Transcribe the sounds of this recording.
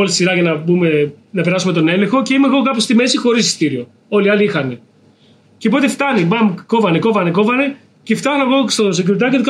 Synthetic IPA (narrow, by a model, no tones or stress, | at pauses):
olit̪isiɾɐʝɐnɐbume̞nɐpe̞ɾɐsume̞t̪o̞ne̞lexo̞ce̞imeːɣo̞kɐpost̪ime̞sixo̞ɾisi̥st̪iɾio̞ | o̞liɐliixɐne̞ | cepo̞t̪eft̪ɐnimɐmko̞vɐne̞ko̞vɐne̞ko̞vɐne | ceft̪ɐneɣost̪osouɾt̪ɐcet̪os